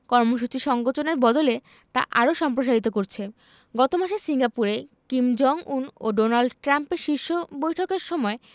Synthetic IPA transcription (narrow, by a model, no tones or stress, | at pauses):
kɔɾmoʃ̬ut͡ɕiʃɔŋɡot͡ɕoneɾbɔd̪ole | t̪a̰ʔaɾoʃɔmpɾoʃ̬aɾit̪okoɾt͡ɕʰe | ɡɔt̪omaʃesiŋɡapuɾekimd͡ʑɔŋuno̰ɖonalɖʈɾampeɾʃiɾʃobojʈʰokeɾʃɔmɔe